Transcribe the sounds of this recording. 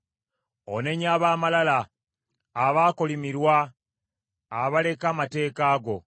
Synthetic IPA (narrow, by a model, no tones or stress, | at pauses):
one̞ɲaːβaːmalalaː | βaːkolimiɾwa | βale̞kaːmate̞ːkaːɡo̞